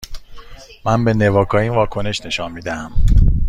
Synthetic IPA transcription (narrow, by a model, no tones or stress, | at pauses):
mænbe̞ne̞vɒːkʰɒːiːnvɒːkʰo̞ne̞ʃne̞ʃɒnmiːd̪ææm